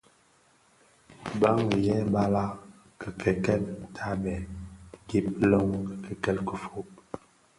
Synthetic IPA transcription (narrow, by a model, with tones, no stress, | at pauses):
ba˦ŋ˨jɛ˦ba˦la˦ | kə˨kʰɛ˨kɛ˦˨mtʰa˦bɛ˨ɡi˦plo˦ŋkkə˨kɛ˦lkə˨fo˦p̚